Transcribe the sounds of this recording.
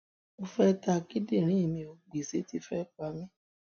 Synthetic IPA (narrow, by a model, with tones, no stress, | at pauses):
o˧fɛ˦ta˧ki˦di˦˨ɾ̃ĩ˦i˦˨mĩ˧o˧ɡ͡bi˨se˨˦ti˧˦fɛ˦k͡pa˧˦mĩ˦